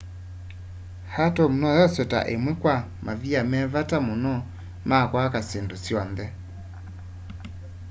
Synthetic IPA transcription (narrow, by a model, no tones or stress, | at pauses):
hatɔm̩nɔjasɛta̰ʔemwɛkwa | maviamɛβatamonɔ | makwakasendosjɔnðɛ